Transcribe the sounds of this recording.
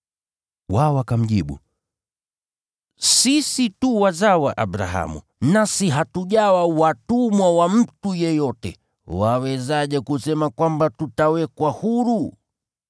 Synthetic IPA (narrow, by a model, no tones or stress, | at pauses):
wawakam̩ʄiɓṵ | sisituwazawaʔaɓɾa̰ɦa̰mṵ | nasiɦatuʄawawatumwawam̩tujɛjɔtɛ̰ | wawɛzaʄɛkusɛmakwambatutawɛkwahuɾu